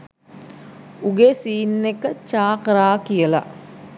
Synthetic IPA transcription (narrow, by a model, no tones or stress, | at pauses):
uɡesiːnːekət͡ʃaːkəɾaːkijəla̰